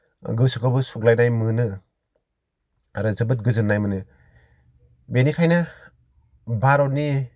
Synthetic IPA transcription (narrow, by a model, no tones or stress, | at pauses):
ɡɯsɯkabɯsuk̚lajnajmɯnɯ | aɾɯzɯbɯt̚ɡɯzɯnːajmɯnɯ | benikʰajna | baɾɔt̚ni